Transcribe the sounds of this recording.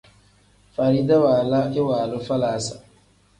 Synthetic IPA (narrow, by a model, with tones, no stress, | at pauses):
fa˨ɾi˦da˦waː˨la˦ʔɪ˦waː˨lʊ˦fa˦laː˨˦sa˨